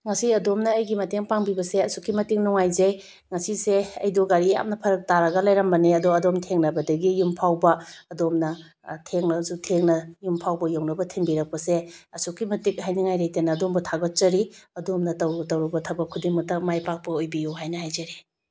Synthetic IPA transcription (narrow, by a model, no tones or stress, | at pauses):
ŋɐsiɐdomnɐːjɡimɐteŋpaŋbibɐseɐsukʰːimɐtiŋnɔŋajzɐj | ŋɐsiseɐ̰jdoɡaɾija̰mnɐpʰɐɾɐk̚taɾɐɡɐlajɾɐmbɐniɐdoɐdomtʰeŋnɐbɐdɐɡijumpʰawbɐɐdomnɐ | tʰeŋnɐzutʰeŋnɐjumpʰawbɐjoŋnɐbɐtʰiŋbiɾɐk̚pɐseɐsukʰːimɐtik̚ɦajniŋajɾajtenɐːdombɐtʰaɡot̚t͡ʃɐɾiɐdomnɐtɐwtɐwɾɐbɐtʰabɐkʰudiŋmɐk̚tɐk̚majpak̚pɐojbijuɦajnɐhajzɐɾi